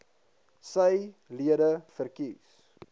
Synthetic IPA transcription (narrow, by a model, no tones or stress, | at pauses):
səjliədəfərkis